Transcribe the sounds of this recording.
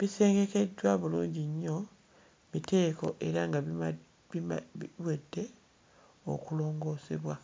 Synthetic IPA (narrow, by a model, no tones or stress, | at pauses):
βise̞ːŋɡe̞ke̞dwaβulṵːɲɟiɲːo̞ | mite̞ːko̞̰ʔe̞ɾaŋɡa | βwedːe̞ | o̰kulo̞ːŋɡo̞ːsḛβwa